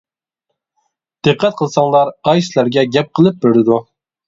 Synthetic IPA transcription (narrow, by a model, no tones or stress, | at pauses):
d̪̥ɨqʰːɛt̪̚qʰəlˠsɑŋlˠɑɾɑjslæɾɡʲɛɡʲɛp̚qʰəlˠɨp̚beɾɪd̪u